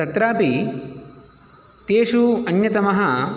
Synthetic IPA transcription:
ɐt̪ɾaːpi | t̪eːʂuɐnjɐt̪ɐmɐɦɐ

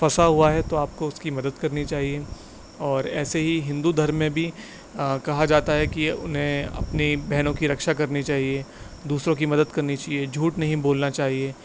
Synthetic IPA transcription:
fɐsaɦuaɦɛt̪oaːp̚koʊskimɐd̪əd̪kɐɾnit͡ʃaːɦie | ɔːɾɛːseɦiɦɪ̃nd̪ud̪ʱɐɾmːẽbʱi | kɐɦad͡ʒaːt̪aɦɛkiʊ̰nɦẽɐ̰pnibɛɦnõkiɾɐkʃakɐɾnit͡ʃaːɦied̪uːsɾõkimɐd̪əd̪kɐɾnit͡ʃaːɦied͡ʒʱuːʈnɐɦĩboːlnat͡ʃaːɦie

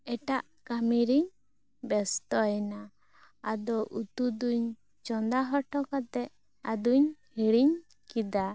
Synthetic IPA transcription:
ɛʈaʔ | kamiɾiɲ | bɛst̪ɔjna | ad̪ɔʔut̪ud̪uɲ | t͡ʃɔnd̪aɦɔʈɔkat̪ɛʔ | ad̪uɲhiɽiɲ | kid̪a

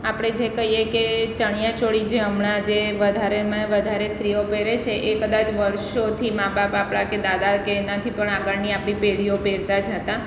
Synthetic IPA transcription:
apɽ̃ed͡ʒekəɦijeket͡ʃəɳ̃jãt͡ʃoɽid͡ʒeəmɳad͡ʒeʋəd̪ʱaɾemãʋəd̪ʱaɾesɾiopeɾet͡ʃʰeʔekəd̪at͡ʃʋəɾʃot̪ʰimãbapapɽ̃aked̪ad̪akeːnat̪ʰipəɳaɡəɾniapɽ̃ipeɽiopeɾt̪ad͡ʒɦət̪ã

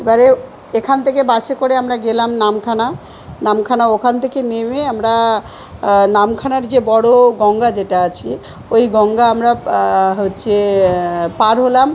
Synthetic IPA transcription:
ebaɾe | ekʰant̪ʰekebaʃekoɾeamɾaɡelamnamkʰana | namkʰanaokʰant̪ʰekenemeamɾa | namkʰanaɾd͡ʑebɔɽoɡɔŋɡad͡ʑeʈaat͡ɕʰi | ojɡɔŋɡaamɾaɦotːɕʰe | paɾɦolam

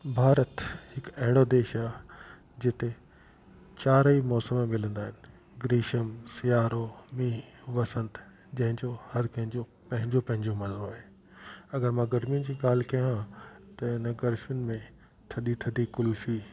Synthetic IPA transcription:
bʱaːɾət̪hɪkɐɦɪɽ̃od̪eːʃaː | d͡ʑɪt̪e | t͡ɕaːɾimɔːsəmmɪlə̃nd̪aːɦɪnɪ̆ | ɡɾiːʃəmsijaːɾomiːʋɐsə̃nt̪ | d͡ʑɐ̃ɦɪ̃ɲd͡ʑohɐɾkɐ̃ɦɪ̃ɲd͡ʑo | pɐ̃ɦɪ̃ɲd͡ʑopɐ̃ɦɪ̃ɲd͡ʑomɐzədoːɦeː | ɐɡəɾmãɡɐɾmijʊnd͡ʑiːɡaːl̤kɐjãt̪ɐɪnəɡɐɾʃijʊnɪ̆mẽ | t̪ʰɐɗit̪ʰɐd̪ikʊlfiː

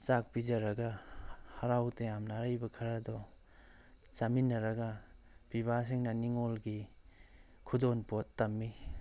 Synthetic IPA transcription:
t͡ʃak̚pizɐɾɐɡahɐɾawtejamnaɾajbɐkʰɐɾadɔ | t͡ʃaminːɐɾɐɡɐ | piβas̬iŋnɐniŋolɡi | kʰudonpotːɐmːi

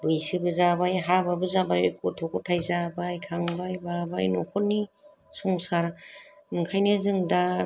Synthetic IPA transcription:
bɯjsɯbɯzabajɦababɯzabajɔ̰jkɔtʰɔkɔtʰajzabajkʰaŋbajbaba̰jnɔkʰɔt̚nːi | sɔŋsaɾnɯŋkʰajnezɯŋda

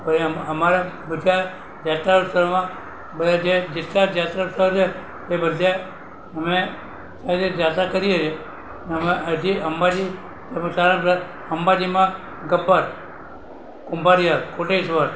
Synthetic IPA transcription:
pəɾiəməmaɾabəd͡ʒ̪ʱja | d͡ʒat̪ɾausəɾmã | bəd̪ad͡ʒed͡ʒet̪lad͡ʒat̪ɾausəɦot͡ʃʰe | t̪ebəd̪ʱja | əme | sad̪ed͡ʒat̪akəɾiet͡ʃʰe | nəmeəd͡ʒiəmbad͡ʒi | esaɾaaɾ | əmbad͡ʒimã | ɡəbːaɾ | kũmbaɾiatkoʈesʋəɾ

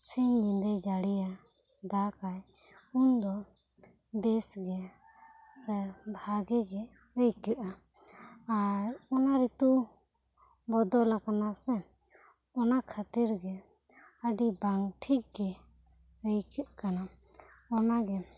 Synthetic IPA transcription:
siɲlind̪ɛd͡ʒaɽija | d̪akaj | und̪ɔ | bɛsɡɛ | səɾbʱaɡɛɡɛ | ɾəjkɛʔa | aɾɔnaɾit̪u | bɔd̪ɔlakanasɛ | ɔnakʰat̪iɾɡɛ | əɖibaŋʈʰik̚ɡɛ | ɾəjkəʔkana | ɔnaɡɛ

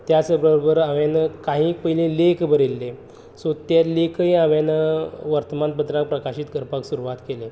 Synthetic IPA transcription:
t̪jasəbɾəɾbəɾaʋanəkaɦĩːkpəilẽlekbəɾelːe | sot̪elekʰəiaʋanəʋəɾt̪əmanpət̪ɾak̚pɾəkaɕiːt̪ɡʱəɾpaksuɾuʋat̪kele

